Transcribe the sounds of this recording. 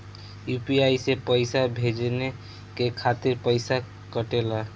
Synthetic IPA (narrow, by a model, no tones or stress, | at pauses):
jupiajsepəɪsabʱed͡ʒne | kekʰat̪iɾpəɪsa | kəʈela